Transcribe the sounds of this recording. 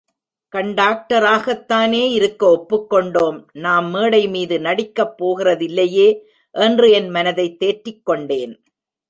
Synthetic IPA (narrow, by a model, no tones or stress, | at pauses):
kɐɳɖaːk̚ʈɐɾaːɣɐt̪ːaːneːɪɾɯkːɐɔpːɯkːɔɳɖoːmnaːmːeːɽɐɪmiːðɯnɐɽɪkːɐpːoːɣɪrɐðɪlːɐjeː | ʔɛndrɯɛnmɐnɐðɐɪt̪ːeːʈɾɪkːɔɳɖeːn